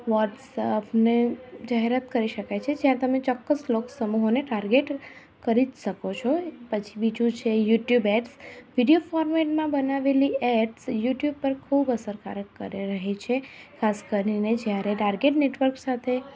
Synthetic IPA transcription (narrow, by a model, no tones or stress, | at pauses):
ʋɔʈsəpned͡ʒaɦeɾət̪kəɾiʃəkajt͡ʃʰed͡ʒjãt̪əmet͡ʃɔkːəsloksəmuɦoneʈaɾɡeʈ | kəɾiʃəkot͡ʃʰɔpət͡ʃʰibid͡ʒũt͡ʃʰejuʈjubɛʈsʋiɖiofɔɾmeʈmãbənaʋeliɛʈsjuʈjub̚pəɾkʰubəsəɾka̰ɾəkːə̰ɾeɾəɦet͡ʃʰekʰaskəɾined͡ʒjaɾeʈaɾɡeʈneʈʋəɾksat̪ʰe